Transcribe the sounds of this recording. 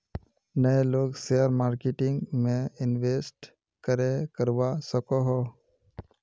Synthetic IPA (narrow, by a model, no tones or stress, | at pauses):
nəeloːɡsejəɾmaːɾkeʈɪ̃ŋɡmẽɪnʋeːsʈ | kəɾekəɾʋasəkoɦoː